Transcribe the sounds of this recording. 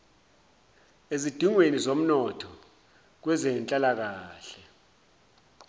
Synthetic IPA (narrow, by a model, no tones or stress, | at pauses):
ezid̥ʱiŋwenizom̩nɔtʰɔ | k̬wɛzɛnt͡ɬʼalak̬aːɬɛ